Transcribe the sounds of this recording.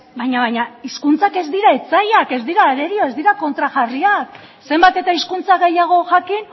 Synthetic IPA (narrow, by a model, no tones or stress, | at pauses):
bajɲaβajɲaiskunt͡sake̞zd̪iɾaet͡sajake̞zd̪iɾaːɾeɾio̞e̞zd̪iɾako̞nt̪ɾaʝariak | se̞mbat̪e̞t̪aiskunt͡saɣe̞jaɣ̞o̞ʝakin